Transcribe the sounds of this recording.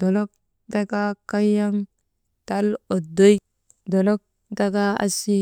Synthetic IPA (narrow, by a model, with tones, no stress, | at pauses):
d̥o˨lo˦k̚ | da˦ɡa˦ka˦ja˦ŋ | ta˦lo˨do˦j | do˨lo˦k̚ | da˦ɡa˦a̰˦si˦